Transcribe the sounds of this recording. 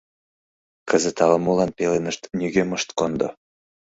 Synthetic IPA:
kəzə̆t̪ɑləmulɑnpelenəʃt̪nʲyɡʲeməʃt̪kond̪o

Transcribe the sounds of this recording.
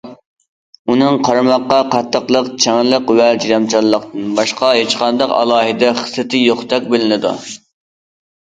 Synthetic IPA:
unɨŋqʰɑɾmɑqːɑqɑt̪ʰːəqlˠəqt͡ʃʰɛŋlˠəqwɛd͡ʒijɑmt͡ʃʰɑlˠːəqt̪ɨnbɑʃqɑɦet͡ʃqɑnd̪ɑqɑ̰lˠɑːɦɨd̪ɛχə̥sːɨt̪ʰɪjoχt̪ɛk̚ʲbɪlɪnɪd̪ṵ

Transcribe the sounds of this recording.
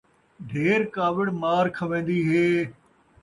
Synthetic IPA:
ɖʱeːɾkaːʋɪɽmaːɾkʰɐʋẽːnd̪iːɦeː

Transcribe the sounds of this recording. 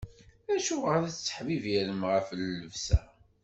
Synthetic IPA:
æʃuʁəɾæt͡sːə̥ħvivjæɾəmʁəfəlːəvsæ̰

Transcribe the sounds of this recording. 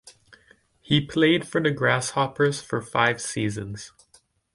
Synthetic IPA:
hipʰl̥eɪd̥fə˞ðɨɡɹæshɑpə˞z̥fə˞faɪv̥sizɨ̃nz̥

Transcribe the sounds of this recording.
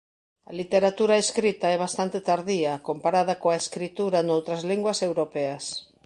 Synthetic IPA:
ɐ̰lit̪eɾat̪uɾaeskɾit̪aɛβ̞ast̪ant̪et̪aɾðiɐkompaɾað̞ɐkoaeskɾit̪uɾanowt̪ɾɐzliŋɡwɐsewɾopɛɐs

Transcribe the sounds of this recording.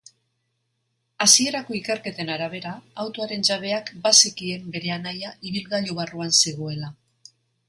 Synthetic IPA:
asie̞ɾako̞ike̞ɾke̞t̪e̞naɾaβ̞e̞ɾaːwt̪oaɾe̞nd͡ʒaβe̞akbasikie̞mbe̞ɾe̞anajaiβ̞ilɣaʎoβaruanseɣ̞oe̞la

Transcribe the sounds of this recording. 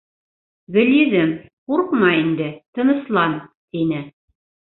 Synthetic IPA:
ɡɘ̆ljɘ̆ðɘmquɾqmɑind̪ɘt̪ɤ̆nɤ̆slˠɑnt̪inɘ

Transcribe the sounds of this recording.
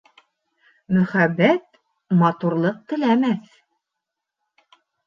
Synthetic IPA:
mɵ̆χæbːæt̪̚ | mɑt̪uɾlˠɤq̚t̪ɘ̆læmæθ

